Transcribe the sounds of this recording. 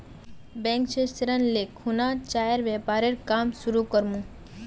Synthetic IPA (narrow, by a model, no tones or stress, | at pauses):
bɛ̃ŋkʃest̪ɾənlekʰunat͡ʃajəɾʋjɛpaɾeɾkaːmsuɾukəɾmũ